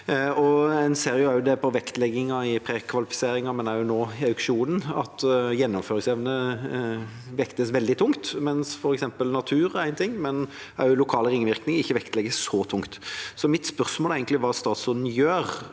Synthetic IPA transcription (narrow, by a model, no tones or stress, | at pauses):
ɔɛɪnseːɾɪʊæɾjʊd̪ɛpɔʋɛkt̪lɛɡːɪŋɑɪpʰɾeːkʰʋɑlɪfɪ̥seːɾɪŋɑmɛnæɾjʊnoːɑʉkʂuːnən̩ɑt̪jɛnːʊmføːɾɪŋsɛʋnə | ʋɛkt̪əsʋɛld̪ɪt̪ʰʊŋt̪mɛnsfɔɾɛksɛmpəlnɑt̪ʰʉːɾæɪnət̪ɪŋːmɛn | æɾjʊlʊkʰɑːləɾɪŋʋɪɾknɪŋɪçːəʋɛkt̪lɛɡəsɔt̪ʰʊŋkt̪sɔmɪt̪spœʁsmoːlæɪɡənt̪ɪʋɑːst̪ɑːt̪sʊd̪n̩jøːɾ